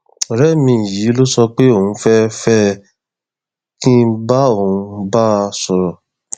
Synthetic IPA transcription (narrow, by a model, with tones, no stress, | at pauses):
ɔ˨ɾɛ˦˨mĩ˧˨ji˨˦lo˦sɔ˧k͡pe˦o˦˨ũ˨˧fɛ˦fɛ˦ | kĩ˦ba˦o˦˨ũ˧ba˦˧sɔ˧ɾɔ˨